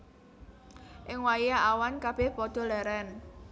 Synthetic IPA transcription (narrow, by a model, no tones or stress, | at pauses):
ʔɪŋwajaʔawankab̥ɛhpɔd̪̥ɔ̤lɛɾɛn